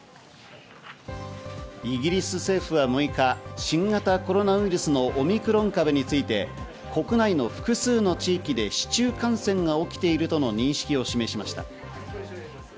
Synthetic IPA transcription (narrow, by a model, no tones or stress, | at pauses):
iɡʲiɾʲisɨse̞ːɸɯ̟βamoikaɕĩŋɡat̪ako̞ɾo̞naɯ̟iɾɯsɨno̞ʔːmʲikɯ̟ɾõ̞ŋkabeɲ̟it͡sɨit̪e̞ | ko̞kɯ̟naino̞ɸɯ̟̥kɯ̟sɨːno̞t͡ɕiːkʲid̪e̞ɕi̥t͡ɕɨːkãɰ̃sẽ̞ŋɡao̞kʲi̥t̪e̞iɾɯ̟t̪o̞no̞ɲ̟ĩɰ̃ɕi̥kʲio̞ɕime̞ɕimaɕi̥t̪a̰